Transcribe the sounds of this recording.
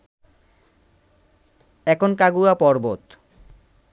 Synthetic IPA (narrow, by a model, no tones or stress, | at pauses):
ɛkʰonkaɡuapɔɾbot̪